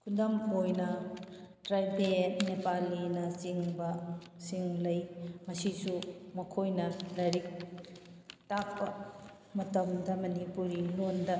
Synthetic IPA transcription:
kʰundɐmojnɐ | tɾajpʰenepalːinɐsiŋbɐsiŋlɐjmɐsisumɐkʰojnɐlɐɾik̚ | tak̚pɐ | mɐtɐmdɐmɐnipuɾilondɐ

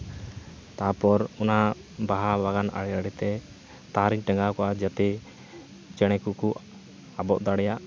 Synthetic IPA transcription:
t̪apɔɾɔna | baɦabaɡana̰ɽɛɾaɽɛt̪ɛ | t̪aɾiɲʈɛŋɡakɔʔad͡ʒat̪ɛ | t͡ʃɛɽ̃ɛkuʔku | abɔʔd̪aɽɛjaʔ

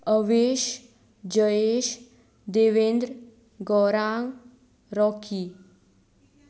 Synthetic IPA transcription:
əʋeʃ | d͡ʑəeʃ | d̪eʋend̪ɾ | ɡɔɾaŋ | ɾɔkʰi

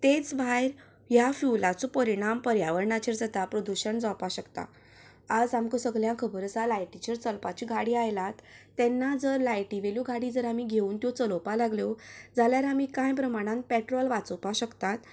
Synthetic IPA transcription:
t̪et͡sbʱajɾ | jafjulat͡sopəɾiɽ̃ampəɾjaʋəɾɳat͡ɕeɾd͡zat̪apɾəd̪uɕəɳd͡zɔpaɕəkt̪a̰ | ad͡zamkəsəɡljãkʰəbəɾsalajʈit͡ɕeɾt͡səlpat͡ɕiɡʱaɽiːajlat̪ː | ɛnːad͡zəɾlajʈiʋeluɡʱaɽid͡zəɾamiɡʱeuːnt̪jɔt͡səlɔpalaɡljɔd͡zaljaɾamikãjpɾəmaɽ̃ãn̚pɛʈɾɔlʋat͡səpaɕəkt̪at̪

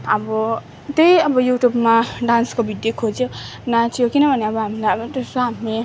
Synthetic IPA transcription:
ʌbʌ | t̪ejʌbʌjuʈjubmaɖãnskobʱid̪jokʰod͡zjonatʰijokinʌbʱʌneʌbʌɦamilajʌbʌdʌsoɦame

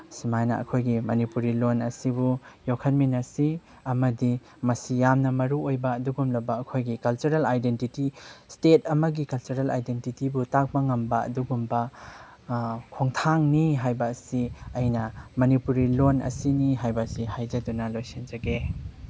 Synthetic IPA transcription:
simajnɐ̰ʔɐ̰kʰojɡimɐnipuɾilonɐsibujokʰɐnminɐsi | ɐmɐdi | mɐsijamnɐmɐɾuojbɐːduɡumlɐbɐːkʰojɡikɐlt͡ʃuɾelajdentitistet̚ɐmɐɡikɐlt͡ʃuɾela̰jdentitibutak̚bɐŋɐmbɐɐ̰duɡumbɐ | kʰoŋtʰaŋniɦajbɐːsiɐjnɐmɐnipuɾilonɐ̰siniɦajbɐsihajzɐdunɐlojsind͡ʒɐɡe

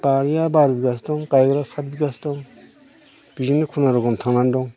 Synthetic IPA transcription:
b̥aɾijabaɾbiɡasdɔŋkajɡɾasat̚biɡasdɔŋ | b̥izinikʰunɔɾɔɡɔmtʰaŋnandɔŋ

